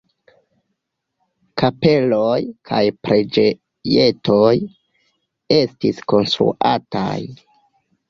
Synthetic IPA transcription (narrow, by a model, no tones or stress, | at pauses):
kape̞lojkʰa̰jpɾʔe̞d͡ʒe | je̞tʰo̞j | e̞stisko̞nst̪ɾṵʔa̰ta̰j